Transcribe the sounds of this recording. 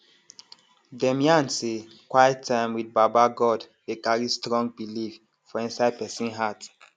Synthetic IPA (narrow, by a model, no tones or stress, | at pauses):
dɛ̃mjãnse | kwajɛtʰːãɪ̃mwid̚babaɡɔd | ekaɹistɹɔ̃ŋɡ̚bilif | fɔĩnsaɪd̚pɛsĩnɦat